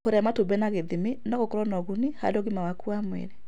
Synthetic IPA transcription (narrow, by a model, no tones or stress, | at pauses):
hoɾɛmatobɛnaɣeðiminaɣokɔɾɔnɔɣuniha̰dɔɣimawakuamwɛ̰ɾɛ